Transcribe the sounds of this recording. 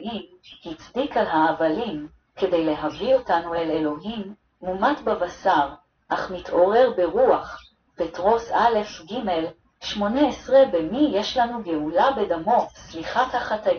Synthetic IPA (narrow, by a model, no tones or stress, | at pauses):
i | hit͡sdikalɦaːvalim | ke̞de̞jle̞ɦavio̞tanuele̞lo̞ɦimː | umatbabasaʁ | ʔaχmitʰʔo̞ʁeʁbe̞ʁuaχ | petʁo̞sale̞fɡime̞l | ʃmo̞neesʁebemijeʃlanuɡeulabe̞damo̞sliχathaχata